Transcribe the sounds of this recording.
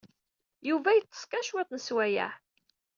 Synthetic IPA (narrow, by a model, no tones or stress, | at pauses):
juvæjət͡sːə̥skæʃwet̪ˤnəswæjæ̰ħ